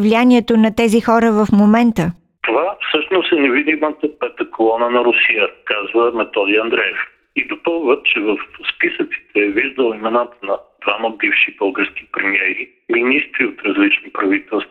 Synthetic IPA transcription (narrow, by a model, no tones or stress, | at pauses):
vlianiɛt̪onɐt̪ɛzixɔɾəvəfmomɛnt̪ə | t̪ovafsɤʃnosɛnɛvid̪imət̪əpɛt̪əkolˠɔnənɐɾʊsijəkazvəmɛt̪ɔd̪ijəɐnd̪ɾɛɛf | id̪opɤlˠvət̪t͡ʃɛvəfspisət̪si̥t̪ʰɛviʒd̪əlˠimɛnat̪ənɐd̪̥vaməbifʃibɤlˠɡəɾsk̟i̥pɾɛmiɛɾi | minist̪ɾiot̪ɾɐzlit͡ʃnipɾɐvit̪ɛlˠst̪